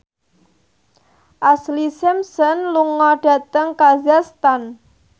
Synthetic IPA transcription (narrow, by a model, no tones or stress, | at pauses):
ʔaslisɪmsənluŋɔɖ̥a̤t̪əŋkazast̪an